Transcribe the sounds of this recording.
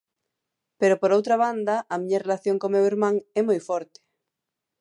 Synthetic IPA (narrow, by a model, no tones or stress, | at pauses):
peɾopoɾowt̪ɾaβand̪ɐʔːmĩɲɐrelaθjoŋkomewiɾmãŋɛmojfɔɾt̪e̥